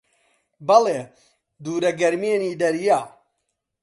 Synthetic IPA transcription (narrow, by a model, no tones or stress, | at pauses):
bɐleː | d̪uːɾɐɡɐɾmeːniːd̪ɐɾjaː